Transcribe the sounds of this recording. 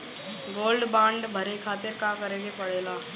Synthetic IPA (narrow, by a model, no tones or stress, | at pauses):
ɡoːlɖbãːɳɖbʱɐɾekʰaːt̪ɪɾkãːkɐɾẽːɡepɐɽeːlaː